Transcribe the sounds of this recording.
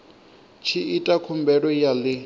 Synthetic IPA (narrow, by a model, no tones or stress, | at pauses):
t͡ʃʰiitʼakʰʊmbɛɺɔjalɪ